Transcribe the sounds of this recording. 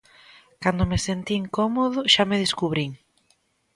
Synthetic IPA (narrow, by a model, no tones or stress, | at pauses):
kand̪omesent̪iŋkomoðʊʃameð̞eskuβɾiŋ